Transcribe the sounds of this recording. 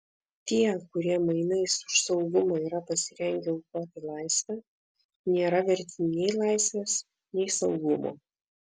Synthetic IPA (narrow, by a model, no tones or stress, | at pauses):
t̪ʲiɛkʊɾʲiɛmɐɪnɐɪsʊ̥ʃsɒʊɡʊmoːiːɾɐpɐsʲɪɾʲɛŋʲɡʲɛʊkoːt̪ʲɪlˠɑˑɪsʲʋʲɛ | nʲeːɾɐʋʲɛɾʲt̪ʲɪnʲɛɪlˠɑɪsʲʋʲeːs | nʲɛɪsɐʊɡʊmo̰ː